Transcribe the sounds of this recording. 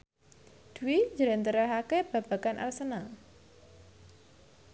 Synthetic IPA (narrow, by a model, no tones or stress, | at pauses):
d̪̥uwid͡ʒəɾɛnt̪əɾaɦakeb̥a̤b̥a̤kanʔa̰rsəna